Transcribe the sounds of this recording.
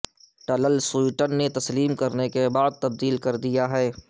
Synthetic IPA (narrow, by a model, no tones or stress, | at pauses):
ʈɐləlswuiʈənːet̪ɐsliːmkɐɾnekebaːd̪̚t̪ɐb̚d̪iːlkɐɾd̪ijaɦɛː